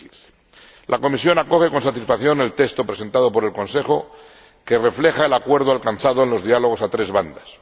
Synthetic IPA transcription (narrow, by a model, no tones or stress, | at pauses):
lʔako̞misjo̞nako̞xe̞ko̞nsat̪isfaθjo̞ne̞lt̪e̞kst̪o̞pɾe̞se̞nt̪að̞o̞po̞ɾe̞lko̞nse̞χo̞ | ke̞re̞fle̞xaelakwe̞ɾð̞oalkanθaðoenlo̞zðialo̞ɣ̞o̞sat̪ɾe̞zβand̪as